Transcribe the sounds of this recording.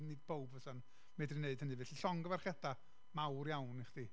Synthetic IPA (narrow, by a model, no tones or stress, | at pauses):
nɨdbowbvəsan | mɛdrineɨd̥ənivɛːɬiɬɔŋɡəvarχjɛda | mawrjawniχd̥i